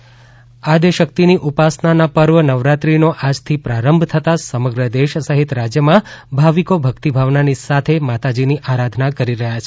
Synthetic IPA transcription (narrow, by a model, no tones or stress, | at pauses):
ad̪eʃək̚t̪iniʔupasnanapəɾʋənəʋɾat̪ɾinoʔad͡ʒt̪ʰipɾaɾəmbʱt̪ʰət̪asəməɡɾəd̪eʃsəɦit̪ɾad͡ʒjəmãbʱaʋikobʱəkt̪ibʱaʋnanisat̪ʰemat̪ad͡ʒiniʔaɾad̪ʱnakəɾiɾəɦjat͡ʃʰe̥